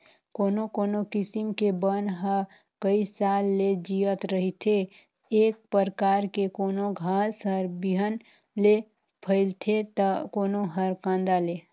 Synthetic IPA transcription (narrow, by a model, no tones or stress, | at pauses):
koːnokoːnokɪsimkebənɦə | kəisaːlːed͡ʒijət̪ɾəɦit̪ʰe | eːk̚pəɾkaːɾkekoːnoɡʱaːsɦəɾbiɦən | le | pʰəɪlt̪ʰet̪əkoːnoɦəɾkãːnd̪ale